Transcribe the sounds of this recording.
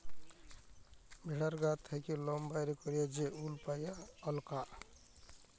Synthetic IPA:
bʱeɽaɾɡat̪ʰekilɔmbajɾikɔɾijad͡ʒeulpajaːlka

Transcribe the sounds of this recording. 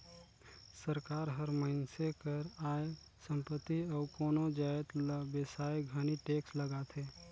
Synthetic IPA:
səɾkaːɾɦəɾməɪnsekəɾaːj | sə̃mpət̪ːiɔːʊkoːnod͡ʒaːt̪lbesaːeɡʱəniʈeːksləɡaːt̪ʰeː

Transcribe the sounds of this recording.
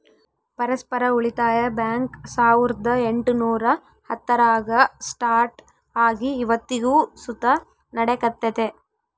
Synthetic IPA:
pɐɾɐspɐɾɐuɭit̪aːjɐbjaːŋksaːʋiɾd̪ɐeɳʈunuːɾɐ | hɐt̪ːɐɾaːɡɐsʈaːɾʈ | aːɡiːʋɐt̪ːiɡuːsut̪ɐ | nɐɽekɐt̪ːɐt̪e

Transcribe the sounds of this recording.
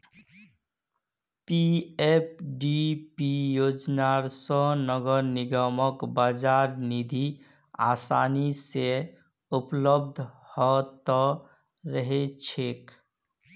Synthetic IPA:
piepɖipijod͡ʒnaɾsɔ̃nɔɡəɾniɡɔmɔkbad͡ʒaɾnid̪ʱi | a̰sa̰nise | upləbd̪ʱhɔt̪ɔ | ɾəɦet͡ʃʰek

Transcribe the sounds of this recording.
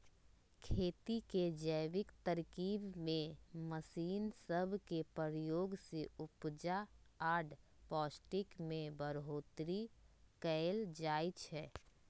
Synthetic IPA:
kʰeːt̪iked͡ʒəjʋɪkt̪əɾkiːbmẽməsiːnsəbʱkepəɾjoːɡseʊpd͡ʒaaːɖ | pɔːsʈɪkmẽbəɾɦoːt̪ɾikəld͡ʒaːjt͡ʃʰɦɛː

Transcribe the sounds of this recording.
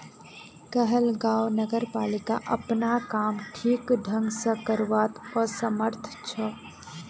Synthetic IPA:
kəɦəlɡãːwnɐɡəɾpaːlɪkaʔɐpnakaːmʈʰiːkd̪ʱə̃ŋɡsəkəɾʋaːt̪ɔːɾsəməɾt̪ʰt͡ʃʰə

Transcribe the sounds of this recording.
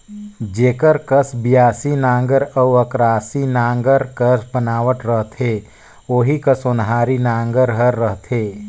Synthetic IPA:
d͡ʒeːkəɾkəsbijaːsinãːŋɡəɾəuəkɾaːsinãːŋɡəɾkəsbənaːʋəʈ̪ɾəɦt̪ʰe | oːɦikəsonɦaːɾinãːŋɡəɾɦəɾːəɦt̪ʰeː

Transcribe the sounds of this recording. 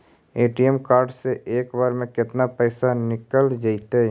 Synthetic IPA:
eːʈiɛmkaːɾɖseʔeːkbaːɾmẽkɪt̪napɛːsanɪkəld͡ʒait̪e

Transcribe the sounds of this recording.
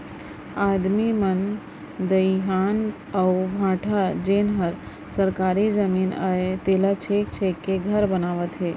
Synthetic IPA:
ad̪mimən | d̪əjɦaːn | əwbʱãʈʰad͡ʒeːnɦəɾ | səɾkaːɾid͡ʒəmiːna̰et̪elat͡ʃʰekt͡ʃʰekːeɡʱəɾbənaːʋət̪ɦe

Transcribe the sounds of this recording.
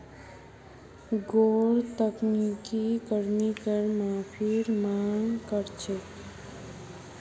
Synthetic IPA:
ɡoːɾt̪əknikikəɾmikəɾmãpʰiɾmaŋɡkəɾt͡ʃʰe

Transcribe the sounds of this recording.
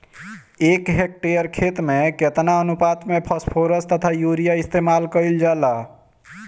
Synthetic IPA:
ekɦek̚ʈejəɾkʰet̪meket̪naənupat̪mepʰəspʰoɾəst̪ət̪ʰajuɾijaist̪emalkəjld͡ʒala

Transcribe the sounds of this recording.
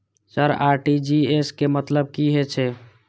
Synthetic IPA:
səɾaɾʈid͡ʒieskemət̪ləb̚kiɦet͡ʃʰɛ

